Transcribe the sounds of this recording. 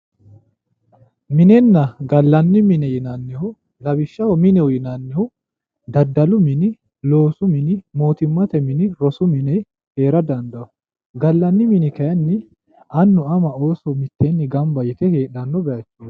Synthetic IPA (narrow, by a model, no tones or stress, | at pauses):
mɪnɛnːɐɡɐlːɐnːɪmɪnɛjɪnɐnːɛhʊ | lɐbɪʃːɐwɔmɪnɛwʊjɪnɐnːɛhʊ | d̪ɐd̪ːɐlʊmɪnɪ | lo̞ːsʊmɪnɪmo̞ːt̪ɪmːɐt̪ɛmɪnɪɾɔsʊmɪnɛ | he̞ːɾɐd̪ɐnd̪ɐʊ | ɡɐlːɐnːɪmɪnɪkɐjɐnːɪ | ɐnːʊɐmɐoːsɔmɪt̪ːɛnːɪɡɐmbɐjɪt̪ɛheːᶑɐnːɔbɛjɐt͡ʃːu